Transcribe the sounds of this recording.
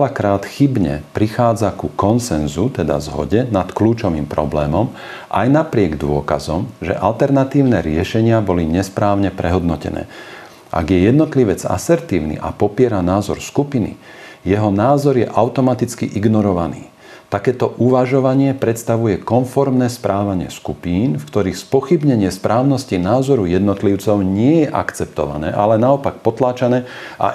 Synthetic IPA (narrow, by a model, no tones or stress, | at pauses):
ɛlakɾaːt̪xibɲɛ̰pɾixaːd͡zakukɔnsɛnzut̪ɛd̪a̰zɦɔ̰ɟɛnat̪kluːt͡ʃɔʋiːmpɾɔblɛːmɔm | ʔa̰jnapɾɪɛɡd̪ʊɔka̰zɔmʒɛ̰ʔalt̪ɛɾnat̪iːʊnɛɾɪɛʃɛɲɪabɔliɲɛspɾaːʊɲɛpɾɛɦɔd̪nɔcɛ̰nɛ̰ː | ʔa̰ɡjɛjɛd̪nɔt̪liʋɛd͡za̰sɛɾt̪iːʊnḭʔa̰pɔpɪɛɾanaːzɔɾskupinḭ | jɛɦɔnaːzɔɾjɛʔaʊt̪ɔmat̪it͡skiʔiɡnɔɾɔʋanḭː | t̪akɛːt̪ɔʔuʋaʒɔʋaɲɪɛpɾɛt̪st̪aʋujɛkɔnfɔɾmnɛspɾʔaːʋaɲɪɛ̰skupiːnfkt̪ɔɾixspɔxibɲɛɲɪɛspɾʔaːʊnɔscinaːzɔɾujɛd̪nɔt̪liʊt͡sɔʊɲɪɛjɛʔa̰kt͡sɛp̚t̪ɔ̰ʋa̰nɛ̰ːʔa̰lɛnaɔpak̚pɔt̪laːt͡ʃanɛː | a̰